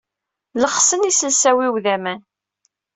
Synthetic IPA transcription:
ləχsənisəlsæwiwðæmæn

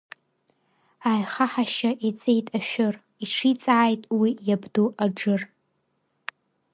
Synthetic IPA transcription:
ajχaħaʃaʔit͡sʼejtʼaʃᶣʊr | iʂʰit͡sʼaʕːjtʼwijabduʔaʈ͡ʂɨr

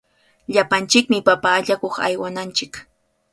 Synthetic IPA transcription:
ʎapant͡ʃɪkmɪpapaːʎakoχa̰jwanant͡ʃɪk

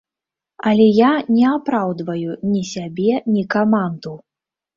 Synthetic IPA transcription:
ɐlʲɛjanʲɛapɾawd̪vɐjunʲisʲabʲɛnʲikamand̪u

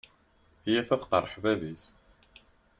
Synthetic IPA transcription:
θjæfæfqə̰rˤəħvævis

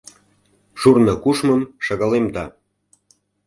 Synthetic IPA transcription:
ʃurnɤ̆kuʃməmʃə̆ɣəlemd̪ɑ

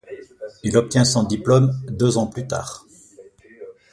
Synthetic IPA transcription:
ilɔp̚t̪jɛ̃sɔ̃d̪iplɔmd̪øzɑ̃plyt̪a̰ːʁ

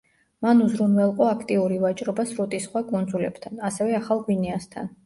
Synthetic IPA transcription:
manuzɾunvɛlˠqʼɔakʰt̪ʼiuɾivat͡ʃʼɾɔbasɾut̪ʼisχwakʼund̪zulɛbt̪ʰanasɛvɛaχalˠɡwinɛast̪ʰa̰n

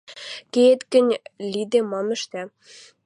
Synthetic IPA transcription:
keet̪kɘ̆nʲlʲid̪emɑmɘ̆ʃt̪æ

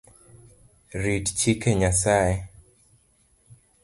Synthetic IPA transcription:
ɾidt͡ʃikeɲasaje

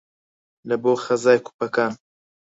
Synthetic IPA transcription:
lɐboːxɐzaːjku̥pɐkaːn

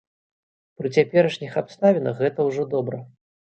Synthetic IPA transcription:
pɾɨt͡sʲapʲɛɾɐʂnʲixapst̪avʲɛnɐxɣɛt̪ɐwʐɔd̪ɔbɾɐ

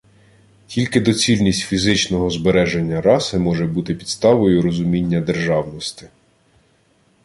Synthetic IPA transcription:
kʲilʲkɪd̪ɔt͡sʲilʲnʲisʲtʲfʲizɪt͡ʃnɔɦɔzbeɾɛʒenʲːɐɾɑsɪmɔʒɛbut̪ɪpʲid̪st̪ɑʋɔjʊɾɔzʊmʲinʲːɐd̪e̞rʒɑwnɔst̪ɪ̥

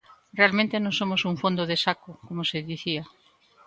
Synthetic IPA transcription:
realmẽnt̪enõŋsomosuɱfond̪oðesakokomoseðiθia

